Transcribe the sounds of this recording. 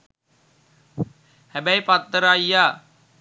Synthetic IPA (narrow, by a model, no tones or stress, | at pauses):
hæbæjpat̪ːəɾaːijaː